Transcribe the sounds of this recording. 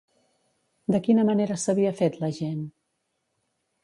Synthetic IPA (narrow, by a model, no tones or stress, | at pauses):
d̪əkinəməneɾəsəβ̞iəfet̪ləʒen